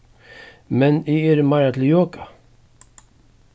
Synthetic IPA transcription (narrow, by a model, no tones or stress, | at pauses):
mɛnieɾəmaɾat̪ʰɪljoːkḁ